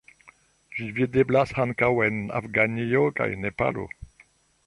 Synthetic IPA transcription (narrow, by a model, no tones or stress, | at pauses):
vivid̪eblashankawɛna̰fɡanioka̰jnepa̰lo̰